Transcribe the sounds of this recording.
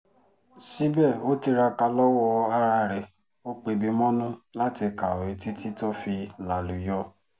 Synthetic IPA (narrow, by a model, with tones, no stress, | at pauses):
si˦bɛ˦˨o˦ti˧ɾa˧ka˧lɔ˦wɔ˧a˧ɾa˧ɾɛ˨ | o˦k͡pe˧bi˨˧mɔ̃˦nũ˦la˦ti˧ka˨o˨ɾi˨ti˦ti˦to˦fi˧la˨lu˨jɔ˧˦